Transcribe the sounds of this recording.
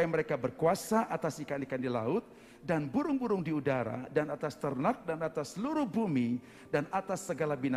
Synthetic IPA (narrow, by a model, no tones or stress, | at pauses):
məɾekabərkuasaʔat̪asikanikandila̰ʊt̪̚ | danbuɾʊŋbuɾʊŋdiudaɾa̰danat̪ast̪ərnak̚danat̪asluɾʊhbumi | danat̪asːəɡalabina